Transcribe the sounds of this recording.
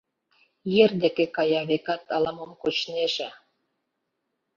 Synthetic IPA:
jerd̪ekekɑjɑβekɑt̪ɑlɑməmkot͡ɕneʒĕ

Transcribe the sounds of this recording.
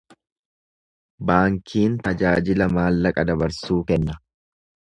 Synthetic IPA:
baːŋkʰiːnt̪ɐd͡ʒaːd͡ʒɪlɐmaːlːɐkʼɐd̪ɐbɐɾsuːkɛnːɐ

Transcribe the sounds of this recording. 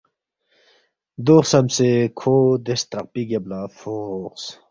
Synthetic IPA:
d̪oːχsɐmsekʰoːd̪est̪ɾɐq̚piɡɐblaːfoqs

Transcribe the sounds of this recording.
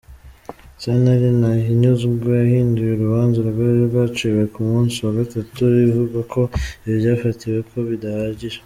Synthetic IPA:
sanaɾinahiɲuzuɡojahiːndujeɾuβaːnzaɾuɾɡwaɾeɾɡwaːt͡ʃiwe̞kumuːnsiwaɡatatuβiβivuɡakʰo̞iβjaːfatiwe̞kʰo̞βidahaːɟiɾa

